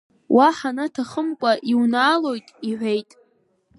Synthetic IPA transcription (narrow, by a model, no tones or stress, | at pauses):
wʔaħanatʰaχəmkʷʼaʔiwnaːlo̞jtʼiħʷᶣejtʼ